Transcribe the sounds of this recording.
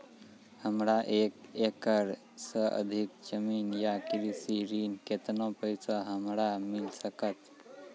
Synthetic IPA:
həmɽaʔeːkekəɾ | səə̰d̪ʱikd͡ʒəmiːnjakɾisiɾiːnket̪nõpəjsaɦəmɾamɪlsəkət̪

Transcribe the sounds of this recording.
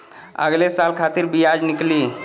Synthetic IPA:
ə̰ɡlesalkʰat̪iɾbijad͡ʒnikli

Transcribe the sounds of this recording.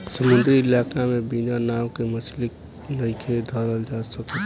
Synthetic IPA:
səmʊ̃nd̪ɾiɪlaːkamẽbinanaːwkemət͡ʃlɪk̚ | nəikʰed̪ʱəɾəld͡ʒaːsəke

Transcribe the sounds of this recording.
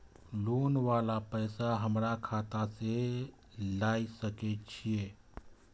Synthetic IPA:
lonʋalapəjsaɦəmɾakʰat̪ase | laisəket͡ʃʰije

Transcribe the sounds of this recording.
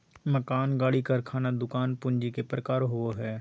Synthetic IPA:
məkaːnɡaːɽikɐɾkʰaːnad̪ʊkaːnpʊ̃ɲd͡ʒikepɾəkaːɾɦʊoɦɛː

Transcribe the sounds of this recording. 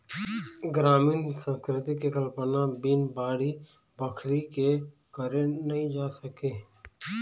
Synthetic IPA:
ɡɾaːmiːnsə̃skɾɪt̪ikekəlpənabiːnbaːɽi | bəkʰɾike | kəɾenəɦĩd͡ʒaːsəkeː

